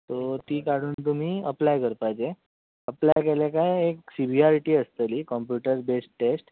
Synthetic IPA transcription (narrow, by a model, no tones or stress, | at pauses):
t̪ot̪iːkaɽ̤uːnt̪um̤iːəplajkəɾpajt͡se | əplajkeljakajeksibʱiaɾiʈiːəst̪əliːkɔmpjuʈəɾbesʈʈesʈ